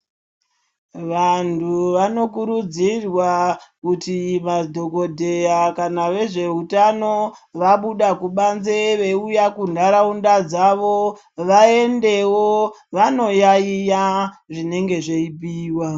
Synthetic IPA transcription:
ʋantʰuʋano̞kuɾud͡zirwakutimadʱo̞ko̞dʱe̞jakanaʋe̞ʐe̞utano̞ | ʋaɓuɗakuɓanze̞ʋe̞ujakundaɾaundad͡zaʋo̞ | ʋae̞nde̞woʋano̞jaijaʐine̞ŋɡe̞ʐeipiːwa

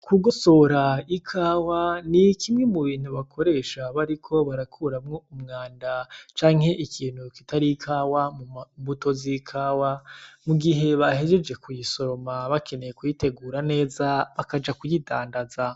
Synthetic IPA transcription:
kuɡo̞so̞ɾaikʰaːwanikʰimŋe̞muβiːn̥huβakʰoɾe̞ːʃaβaɾikʰo̞βaɾakʰuːɾamŋo̞umŋaːndat͡ʃaːŋ̥he̞ʔikʰiːn̥hukitaɾikʰaːwamuβuto̞zikʰaːwamuɡiɦe̞βahe̞d͡ʒe̞d͡ʒe̞kujiso̞ɾomaβakʰe̞ne̞jekujite̞ɡuːɾane̞ːzaβakad͡ʒakujida̰ːndaza

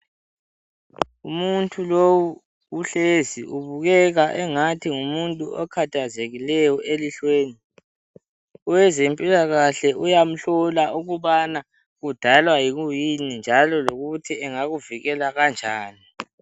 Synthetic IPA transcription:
umuntʰʼulowu | uɬeziʔuβuɣɛɣaʔɛŋatʰiŋumuntʼuɔkʰatʰazeɣilɛjɔʔeliɬweːni | ɔwɛzempʼilaɣaɬɛʔujam̩ɬɔlaʔuɣuβana | ɣud̥ʱalwajiɣujinind͡ʒʱalɔloɣutʰiɛŋaɣuviɣɛlaɣand͡ʒʱaːni

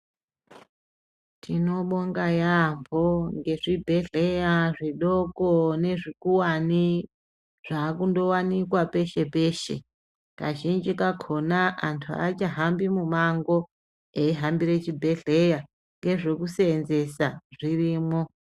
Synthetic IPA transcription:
tʰino̞ɓo̞ŋɡajambʱo̞ŋɡe̞ʐibʱe̞ɮe̞jaʐiɗokone̞ʐikuwani | ʐ̥aːkundo̞wanikwape̞ʃe̞pe̞ːʃe̞̰ | kaʒind͡ʒikakʰo̞naʔantʰua̰t͡ʃaɦambimumaŋɡo̞ | eiɦambiɾe̞t͡ʃibʱe̞ɮe̞ja | ŋɡe̞ʐekuseːnze̞saʐiriːmo̞

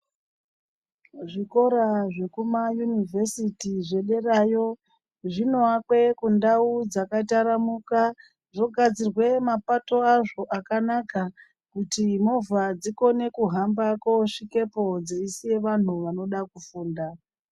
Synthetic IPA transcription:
ʐiko̞ɾaʐe̞kumajunivʱe̞sitiʐe̞ɗe̞rajo̞ | ʐino̞akwe̞kundaud͡zakataɾamuka | ʐo̞ɡʱad͡zirwe̞mapato̞aʐo̞ʔakanaka | kutimovʱad͡ziko̞ne̞kuɦambakoʂike̞po̞d͡zeisije̞ʋan̤uʋano̞ɗakufuːnda

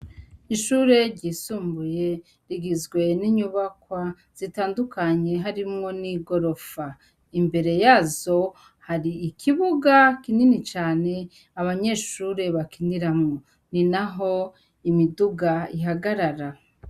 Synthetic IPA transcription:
iʃuːɾe̞ɾɟiːsuːmbuje̞ | ɾiɡizɡwe̞niɲuβakwa | z̥itaːndukaɲe̞ɦaɾimŋo̞niɡo̞ɾo̞fa | imbe̞ɾe̞jaːzo̞ | haɾiːkʰiβuɡakininit͡ʃaːne̞ | aβaɲe̞ʃuːɾe̞βakiniɾamŋo̞ | ninaɦo̞ | imiduɡaiɦaɡaɾaɾa

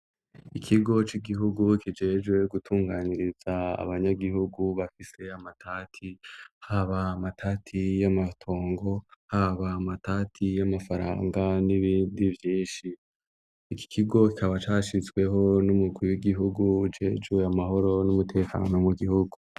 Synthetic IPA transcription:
ikʰiɡo̞t͡ʃiɡiɦuɡukʰid͡ʒe̞ːd͡ʒwe̞ɡutʰuːŋɡaːniɾiz̥aa̰βaɲaɡiɦuɡuβafise̞amatʰaːtʰihaβaːmatʰatʰijamatʰo̞ːŋɡo̞haβaːmatatʰijamafaɾa̰ːŋɡaniβiːndivjiːʃiː | ki̥kʰiɡo̞kikʰaβat͡ʃaːʃizɡwe̞ɦo̞numuɡwiuwiɡiɦuɡuːd͡ʒe̞d͡ʒwe̞amaɦo̞ɾo̞numutʰe̞ːkʰa̰ːno̞muɡihuɡu

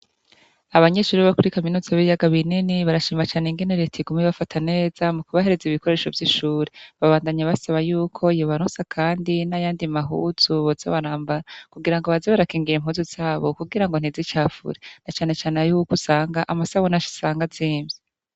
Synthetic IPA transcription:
aβaɲe̞ʃuːɾiβakuɾikaminuːzaβijaɡaβininiβaɾaʃiːmat͡ʃaːneŋɡe̞ne̞ɾetʰiɡumiβafatʰane̞ːz̥amukuβahe̞ɾeziβiko̞ɾe̞ːʃo̞vjiʃuːɾeβaβaːndaɲaβasaβajuːkʰo̞joβaɾosakʰaːndinajaːndimaɦuz̥uβoz̥o̰βaɾaːmbaɾakuɡiɾaŋɡo̞βazeβaɾakiːŋɡiɾem̥huːzuz̥aːβo̞kuɡiɾaŋɡo̞n̥izit͡ʃaːfṵɾenat͡ʃaːne̞t͡ʃaːneajukusaːŋɡaʔamasaβonaʃi̥saːŋɡaziːme

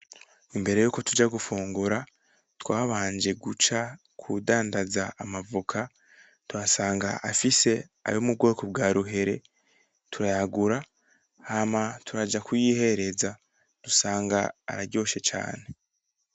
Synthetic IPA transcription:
imbe̞ɾe̞juːko̞tud͡ʒaɡufuːŋɡuɾa | twaːβaːnd͡ʒe̞ɡut͡ʃa | kʰudaːndazaamavukʰa | twasaːŋɡa̰ʔafise̞a̰jomub̚ɡo̞ːkob̚ɡaːɾuɦe̞ɾe̞ | tʰuɾajaɡuɾa | hamatʰuɾad͡ʒakujiːhe̞ɾe̞za | d̥usaːŋɡa̰ːɾaɾɟo̞ːʃe̞t͡ʃa̰ːne̞

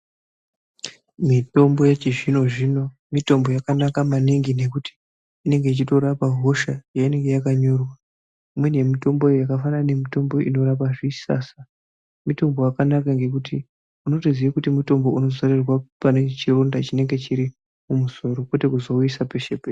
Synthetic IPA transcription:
mito̞mbo̞jet͡ʃiʐino̞ʐino̞ | mito̞mbo̞jakanakamaniŋɡine̞kuti̥ | ine̞ŋɡe̞it͡ʃito̞ɾapaɦo̞ʃajaine̞ŋɡe̞jakaɲo̞rwa | imwe̞ne̞mito̞mbo̞ejakafanane̞mito̞mbo̞ʔino̞ɾapaʐisa̰sa | mito̞mbo̞jakanakaŋɡe̞kuti | uno̞toziʋakutimuto̞mbo̞uno̞zarirwapanet͡ʃirondat͡ʃine̞ŋɡe̞t͡ʃiɾi | mumuzo̞ɾo̞kwe̞te̞kuzo̞uisape̞ʃepe

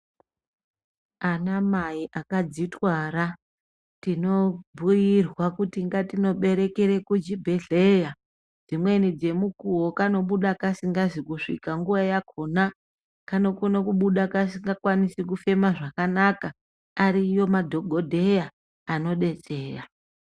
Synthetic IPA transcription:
anamaiʔakad͡zitwaɾa | tino̞bʱujirwakutiŋɡatino̞ɓe̞ɾe̞keɾe̞kud͡ʒibʱe̞ɮe̞ja | d͡zimwe̞nid͡ze̞mukuwo̞kano̞ɓuɗakasiŋɡazikuʂḭkaŋɡuʋajakʰo̞na | kano̞kunokuɓuɗakasiŋɡakwanisikufe̞maʐakanaka | aɾijo̞madʱo̞ɡʱo̞dʱe̞jaː | no̞ɗe̞t͡se̞ːra

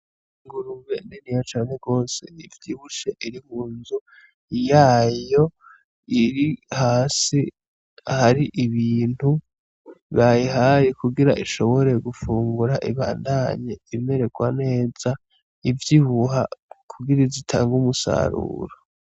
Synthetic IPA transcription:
iŋɡuɾuwenenijat͡ʃaːn̥e̞ɡo̞ːse̞ivjiβuʃeʔiɾihuːnzu | jaːjo̞ | iɾihaːsi | ahaɾiʔiβiːn̥hu | βajiɦajekuɡiɾaʔiʃo̞βo̞ɾe̞ɡufuːŋɡuɾaʔiβaːndaɲeime̞ɾe̞ɡwa̰ne̞ːz̥a | ivjiβuɦakʰuɡiɾizitʰa̰ːŋɡumusa̰ɾṵːɾo

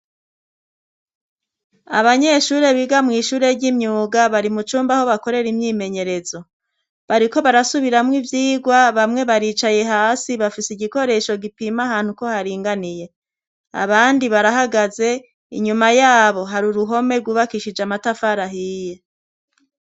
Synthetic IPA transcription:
aβaɲe̞ʃuːɾe̞βiɡamŋiːʃuːɾe̞ɾɟimɲuːɡaβaɾimut͡ʃuːmbaho̞βako̞ɾe̞ɾimɲiːme̞ɲe̞ɾe̞zo̞ | βaɾiko̞βaɾasuβiɾamŋivjiːɡwaβamŋe̞βaɾiːt͡ʃaje̞ɦaːsiβafisiɟiko̞ɾe̞ʃo̞ɡipimaɦaːn̥huko̞haɾiːŋɡanije̞ | a̰βaːndiβaɾaɦaɡaze̞ | ḭɲumajaːβo̞ɦaɾuɾuɦo̞me̞ɾɡuːβakiʃid͡ʒamatafaɾaɦije̞

